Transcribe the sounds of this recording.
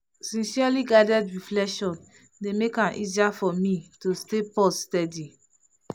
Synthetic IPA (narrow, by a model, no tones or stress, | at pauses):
sĩnsialiɡaɪdɛdɹiflɛkʃɔ̃n | demekãnʔiziafɔmĩtostepɔsstɛdi